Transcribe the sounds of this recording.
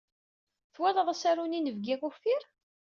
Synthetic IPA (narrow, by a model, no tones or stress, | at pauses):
θwɛləðˤasæɾuninəvɡiʁufiɾ